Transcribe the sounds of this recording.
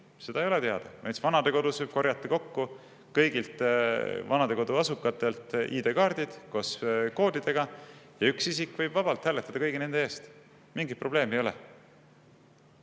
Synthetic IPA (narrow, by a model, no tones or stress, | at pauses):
se̞d̪ɑejo̞let̪e̞ɑd̪̥ɑvɑ̰jt̪svɑnɑd̪e̞ko̞d̪̥usvɤb̥ko̞rjɑt̪ːˑɑko̞kːu | kɤjɡilt̪vɑnɑd̪̥e̞ko̞d̪uɑsukːˑɑt̪ːˑe̞lt̪ˑʔiːd̪e̞kɑːrd̪id̪̥ko̞sko̞ːd̪̥id̪̥e̞ɡ̥ɑjɑyksisikːˑvɤjb̥vɑbɑlt̪hælːet̪ːˑɑd̪ɑkɤjɡine̞nd̪eeːst̪ | miŋɡit̪pro̞b̥le̞ːmejo̞lɛ